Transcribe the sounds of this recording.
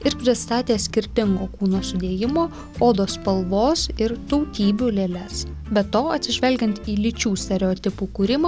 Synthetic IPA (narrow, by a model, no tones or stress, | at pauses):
ɪɾpʲɾʲɪst̪ɑːt̪ʲeːsʲkʲɪɾʲt̪ʲɪŋɡoːkuːnoːsʊd̪ʲeːjɪmoː | oːd̪oːspɐlˠʋoːsɪɾt̪ɔʊt̪ʲiːbʲuːlʲeːlʲɛs | bʲɛt̪oːɐt̪ʲsʲɪʒʲʋʲɛlʲɡʲɛnt̪iːlʲɪt͡ʃʲuːsʲt̪ʲɛɾʲɛɔt̪ʲɪpuːkuɾʲɪmɑː